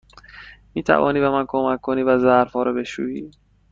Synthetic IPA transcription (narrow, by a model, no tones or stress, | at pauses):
miːt̪ʰæ̰vɒ̰ːniːbemænkʰomækʰːoniːvæzæɾfɒːɾɒbe̞ʃṵːjiː